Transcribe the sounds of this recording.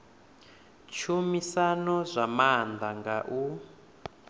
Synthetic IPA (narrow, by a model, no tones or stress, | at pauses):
t͡ʃʰumisanɔzʷamand̪aŋɡaʔu